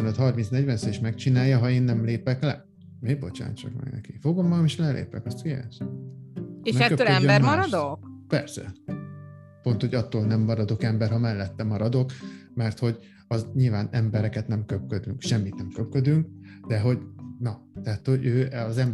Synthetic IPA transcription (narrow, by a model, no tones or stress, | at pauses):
ɛnøt̪hɒrminsnɛɟvɛnseːʃmɛkt͡ʃinaːjːɒɦɒeːnːɛmleːpɛklɛ̰ | meːɡ̚bo̞̰t͡ʃa̰ːnt͡ʃɒ̰kmɛ̰ɡnɛ̰kifo̞ɡo̞mːɒɡɒmeːʃlɛlḛːpɛkɒst̪kija̰ʃ | eɛɛkøøɛːøɛmɒɾɒd̪okpɛrsɛ̰ | po̞nt̪ho̞ɟɒt̪ːoːlnɛmːɒɾɒd̪o̞kɛmbɛrɦɒmɛlːɛt̪ːɛmɒɾɒd̪o̞kmɛrt̪ho̞ɟ | ɒzɲilvaːnɛmbɛɾɛkɛt̪nɛmkøp̚kød̪yŋkʃɛmːit̪nɛmkøpkød̪yŋk̚d̪ɛɦo̞ɟnɒ | t̪ɛɦat̪ho̞ɟøːɒzɛm